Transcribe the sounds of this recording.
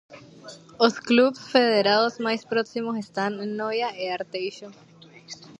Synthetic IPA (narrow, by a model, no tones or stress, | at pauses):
osklubsfe̞ðeɾaðosmajspɾoksimos̬est̪anenːojaeaɾt̪ejʃo